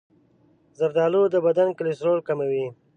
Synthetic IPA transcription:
zaɾd̪ɑːlod̪əbad̪ankɪlɪsɾolkamawi

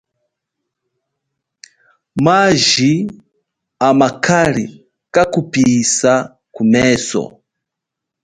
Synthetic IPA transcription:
maʒi | amakʰaɾi | kakupisa | kumɛːsɔ̰

